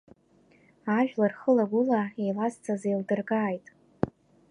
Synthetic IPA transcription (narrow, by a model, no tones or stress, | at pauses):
aʒᶣlarχəlaɡʷʊlaejlazt͡sʰʼazejldɨrɡaːjtʼ